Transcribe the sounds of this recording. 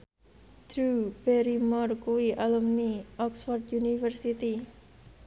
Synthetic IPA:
d̪̥ɾub̥ɛɾimɔrkuwiʔalumniʔɔksfɔrd̪junifərsit̪i

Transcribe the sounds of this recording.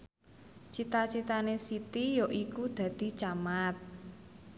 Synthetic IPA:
t͡ʃit̪at͡ʃit̪anesit̪ijoʔikud̪̥ä̤d̪̥i̤t͡ʃamat̪̚

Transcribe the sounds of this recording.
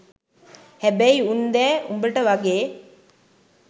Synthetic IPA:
hæbæiund̪ɛːumbəʈəʋaɡeː

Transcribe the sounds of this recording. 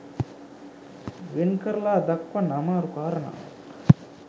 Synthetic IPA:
ʋenkɐɾlaːd̪ɐkwɐnamaːɾukaːɾɐna̰ː

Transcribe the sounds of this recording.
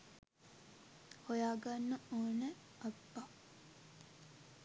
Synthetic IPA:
hojaːɡanːəoːnə | ɐbːa

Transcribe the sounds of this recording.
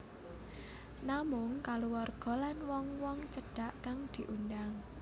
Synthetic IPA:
namʊŋkaluwɔrɡ̥ɔ̤lanwɔŋwɔŋt͡ʃəɖ̥a̤ʔkaŋd̪̥i̤ʔundaŋ

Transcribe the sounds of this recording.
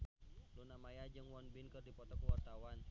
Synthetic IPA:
lunamajad͡ʒɨŋwɔnbɪnkɨrdipɔt̪ɔkəwart̪awan

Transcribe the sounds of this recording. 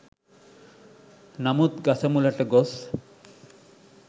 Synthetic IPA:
namut̪ɡasʰamulaʈeɡɔs

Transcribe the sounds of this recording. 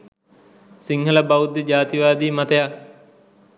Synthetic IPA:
siŋɦələbaud̪ed͡ʒaːt̪iʋaːd̪iːmat̪əjak̚

